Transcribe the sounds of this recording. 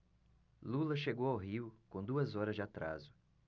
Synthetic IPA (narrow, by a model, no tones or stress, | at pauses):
lulɐʃeɡowawɦiwkõd̪uɐzɔɾɐzd͡ʒɪat̪ɾa̰zʊ